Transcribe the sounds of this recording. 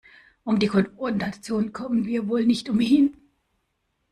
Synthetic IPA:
ʔʊmdiːkʰɔnfɔndat͡sjoːnənkʰɔmənviːɐvoːlnɪçtʊmhɪn

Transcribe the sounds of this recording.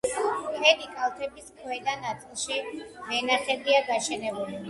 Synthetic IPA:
pʰɛlikʼalˠt̪ʰɛbiskʰwɛd̪anat̪sʼilˠʃivɛnaχɛd̪iaɡaʃɛnɛbuli

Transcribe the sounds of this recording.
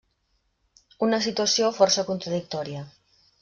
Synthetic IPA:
unɐs̬it̪uasjofɔɾsakunt̪ɾaðik̚t̪ɔɾja

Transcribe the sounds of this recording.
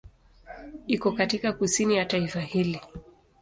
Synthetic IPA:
ikɔkatikakusinijataifahili

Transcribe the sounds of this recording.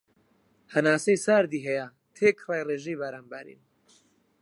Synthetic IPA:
hɐnaːsejsaːɾd̪iːɦɛja | t̪ʰeːkʰraːjreːʒejbaɾaːnbaɾḭn

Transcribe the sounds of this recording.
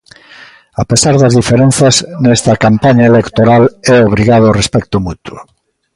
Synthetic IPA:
apesaɾðazðifeɾẽn̟θaznɛst̪ɐkampaɲaelekt̪oɾalɛoβ̞ɾiɣaðorespɛk̚t̪omut̪wo̰

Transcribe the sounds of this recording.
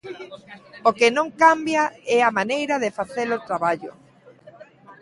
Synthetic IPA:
okɪnõŋkambjaɛamanejɾɐðɪfaθelot̪ɾaβaʎʊ̰

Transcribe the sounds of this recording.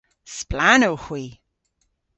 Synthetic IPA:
splanowxw̥iː

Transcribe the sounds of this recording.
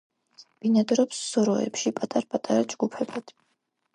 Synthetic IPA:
b̥inad̪ɾɔpsːɔɾɔɛ̰pʃipʼat̪ʼaɾpʼat̪ʼaɾad͡ʒɡupʰɛbad̪̥

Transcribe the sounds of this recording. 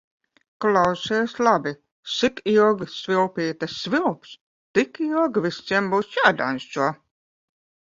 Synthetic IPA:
klˠawsʲɛːslˠabi | sikilɡsvilˠpiːt̪asːvilˠps | t̪ikilɡvist̪siɛmbuːsjaːd̪a̰nsuɔ

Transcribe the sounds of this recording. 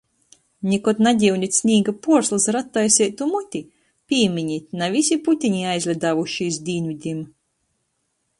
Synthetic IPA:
nʲikɔt̪nad̪ʲiwnʲit̪ʲsʲnʲiːɡapuɔɾslˠɨsɾat̪ːajsʲɛjt̪umut̪ʲi | pʲiːmʲiɲit̪navʲis̬ʲiput̪ʲiɲiajzlʲɛd̪aːvuʃis̬d̪ʲiːnvid̪ʲim

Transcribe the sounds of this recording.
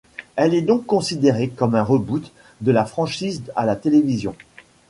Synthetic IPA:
ɛlɛd̪ɔ̃kːɔ̃sid̪eʁekɔmɛ̃ʁəbut̪ | d̪əlafχɑ̃ʃiza̰lat̪elevizjɔ̃

